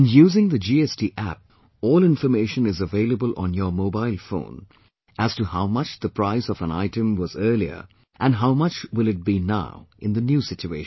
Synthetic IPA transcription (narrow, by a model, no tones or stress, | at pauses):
ɪ̃njuːzɪ̃ŋðəd͡ʒiɛstiʔæ̰p̚ | ɔːlɪ̃nfəmeɪʃə̃nɪzəveɪləbəlʔə̰̃njə˞moʊbaɪlˠfõ̰ʊ̃n | ʔæz̥tuhaʊmʌt͡ʃðəpʰɾ̥aɪsɔvə̃na̰ɪtɨ̃mwʌzɜ˞liə̰˞ | ʔɨ̃nɦaʊmʌt͡ʃwɪlɨt̚b̥ina̰ʊʔɪ̃nðənjuːsɪt͡ʃueɪʃ